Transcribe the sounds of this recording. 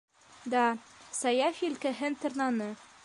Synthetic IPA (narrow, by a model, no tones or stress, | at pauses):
d̪ɑsɑjɑfʲiilkɘɦɘnt̪ŏɾnɑnɤ